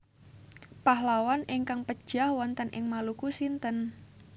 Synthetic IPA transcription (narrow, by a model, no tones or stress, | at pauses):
pahlawanɪŋkaŋpəd̥ʒ̥ahwant̪ənʔɪ̰ŋmalukusint̪ən